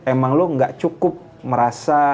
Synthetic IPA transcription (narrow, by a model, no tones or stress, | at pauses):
emaŋloŋɡaʔt͡ʃukʊp̚ | məɾasa